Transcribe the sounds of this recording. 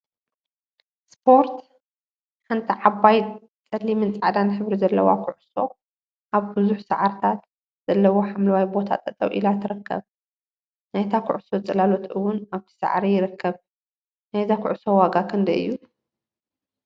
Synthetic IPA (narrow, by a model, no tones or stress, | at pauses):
spʰo̞ɾt̪ | ħant̪ʰiʕabaj | t͡sʼɐlːimɨnt͡sʼʕad̪anħɨβɾizɐlːɐwa̰kʰʊʕso̞ | ʔaβbɨzuħsaʕaɾt̪ʰat̪ | z̥ɐlːɐwo̞ħamlɐwajbo̞t̪ʰa̰t̪ʼɐt̪ʼɐ̰wʔḭlat̪ʰɨɾɨkːɐ̰β | najt̪ʰakʰʊʕso̞t͡sʼɐlalot̪ʔɨwːʊnaβt̪ʰi̥sa̰ʕɾijɪɾɨkʰːɐβ | najzakʰʊʕso̞waɡakʰɨnd̪ɐʔɨ̰jːu